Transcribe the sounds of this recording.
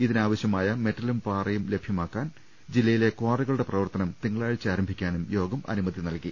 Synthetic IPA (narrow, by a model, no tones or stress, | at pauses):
iðinaːʋɐɕjɐmaːjɐme̞tːɐlumpaːrɐjumle̞bʱjɐmaːkːaːn | d͡ʑilːɐjile̞kwaːriɣɐɭuɽe̞prɐʋɐrt̪ɐnɐmt̪iŋːɐɭaːɻt͡ɕːaːɾɐmbʱikʲːaːnumjo̞ːɡɐmʔɐ̰numɐd̪inɐlkːi